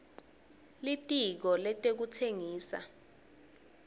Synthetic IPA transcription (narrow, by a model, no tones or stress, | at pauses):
litʼik̬ɔlɛtʼek̬utʰeŋiːsa̰